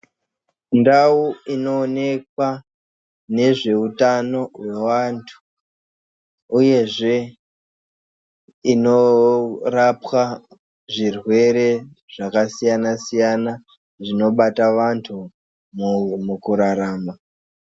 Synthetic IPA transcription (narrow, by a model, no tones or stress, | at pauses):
ndauino̞ːne̞k̚wa | ne̞ʐe̞utano̞we̞ʋantʰu̥ | uje̞ʐe̞ | ino̞rapwa | ʐirwe̞ɾe̞ | ʐ̥akasijanasijana | ʐino̞ɓataʋantʰu | mukuɾaɾaːma